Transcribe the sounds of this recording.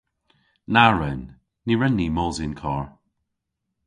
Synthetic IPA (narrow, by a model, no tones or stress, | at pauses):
naɹɛnː | iɹɛnːiːmɔːzinkʰɔːɹ